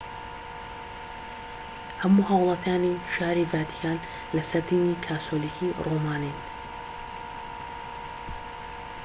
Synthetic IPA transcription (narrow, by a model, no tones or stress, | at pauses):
hamːʊhaːwɑlˤɑt̪ʰaːniʃaːɾivaːt̪i̥kaːn | lasad̪inikʰaːt̪ʰolikʰiɾʔuːmaːniːn